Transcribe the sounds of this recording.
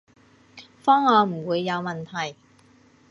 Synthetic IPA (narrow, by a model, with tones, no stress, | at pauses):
fɔː˥ŋɔː˨˧m̩˨˩wuː˨˧jːɐ˨˧wmɐ˨˩nt̪ʰɐ˨˩j